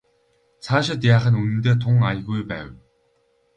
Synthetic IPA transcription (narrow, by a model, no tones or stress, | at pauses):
t͡sʰaːʃ̬ɪ̆t̪̬jaːχə̆nunɘ̆nt̪eːt̪ʰʊŋajə̆ɣujpæ̰ːw